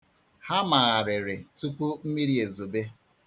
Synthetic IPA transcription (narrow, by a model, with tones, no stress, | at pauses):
ha˦ma˨a˨ɾɪ˨ɾɪ˨tu˦pu˦m̩˦mi˦ɾi˦e˨zo˨be˦